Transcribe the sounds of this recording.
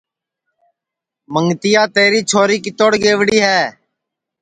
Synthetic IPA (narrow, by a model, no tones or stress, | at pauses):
məŋɡt̪ɪjaːt̪eːɾiːt͡ʃʰoːɾiːkɪt̪oːɽɡeːʋɽiːɦɛː